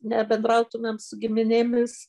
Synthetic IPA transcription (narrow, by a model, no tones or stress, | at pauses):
nʲɛbʲɛnd̪ɾɐʊt̪ʊmʲeːmsʊɡʲɪmʲɪnʲɪmʲɪs